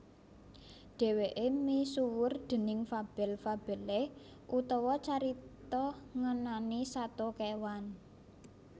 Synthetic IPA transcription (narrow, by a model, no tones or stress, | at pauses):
ɖ̥e̤weʔemisuwʊrd̪̥ə̤nɪŋfab̥ɛ̤lfab̥ɛ̤le | ʔut̪ɔwɔt͡ʃaɾit̪ɔŋənanisat̪okewan